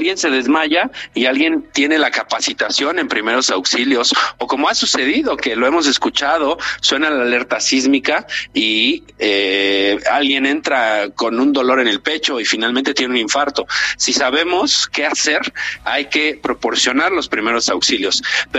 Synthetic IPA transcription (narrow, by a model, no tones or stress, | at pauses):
alɣje̞nse̞ðe̞zmaʝaialɣje̞nt̪jene̞lakapasit̪asjo̞ne̞mpɾime̞ɾosawksiljo̞soko̞moasuse̞ðiðo̞ke̞loe̞mo̞s̬e̞skut͡ʃað̞o̞swe̞nalaːleɾt̪asizmikai | e | alɣje̞ne̞nt̪ɾako̞nund̪o̞lo̞ɾe̞ne̞lpe̞t͡ʃo̞ifinalmẽnt̪et̪jenunĩɱfaɾt̪o̞sisaβe̞moske̞ase̞ɾajke̞pɾo̞po̞ɾsjo̞naɾlo̞spɾime̞ɾo̞sawksiljo̞spe